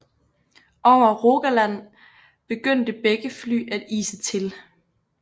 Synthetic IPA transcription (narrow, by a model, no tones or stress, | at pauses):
ʔɒʊ̰ɐʁo̝ɡ̥ælæn̰ | b̥e̝ɡ̥øn̰d̥əb̥eɡ̥əfly̰ːʔæd̥ḭːsət͡sʰe̝l